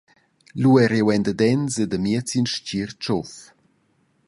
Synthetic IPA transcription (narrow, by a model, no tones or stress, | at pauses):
luɛɾewɛnd̪əd̪ɛnsed̪əmiət͡sinʃt͡ɕirt͡ʃɔf